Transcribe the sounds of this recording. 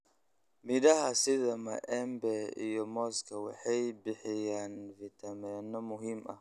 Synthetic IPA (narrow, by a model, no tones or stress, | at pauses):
midahasiðamaʔɛmbɛḭjɔmɔskawaħɛjbiħɪjanvitamɛnamʊɦima̰